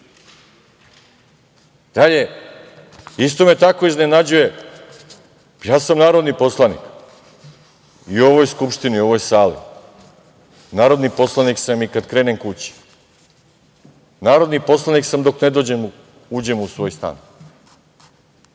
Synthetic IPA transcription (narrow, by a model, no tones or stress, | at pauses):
d̪̥aʎe̞ | ist̪o̞me̞t̪ako̞iznenad͡ʑuje̞ | jaːsamnaːɾo̞d̪nipo̞slˠanḭk | io̞ʋo̞jskupʃt̪iniio̞ʋo̞jsaːlḭ | naːɾo̞d̪nipo̞slˠaniksamikad̪kɾe̞ːnemkut͡ɕi̥ | naːɾo̞d̪nipo̞slˠaniksamd̪o̞kne̞d̪o̞ːd͡ʑemu | uːd͡ʑe̞musʋo̞jst̪a̰ːn